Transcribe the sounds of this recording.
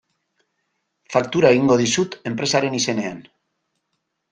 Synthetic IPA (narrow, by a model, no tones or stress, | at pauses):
fakt̪uɾae̞ɣ̞iŋɡo̞ð̞isut̪e̞mpɾe̞saɾe̞nise̞ne̞an